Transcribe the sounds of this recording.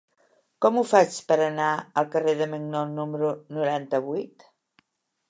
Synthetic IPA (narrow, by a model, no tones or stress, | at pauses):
kɔmufat͡ʃpəɾənaəlˠkəreðəməŋnonuməɾunuɾant̪əβujt̪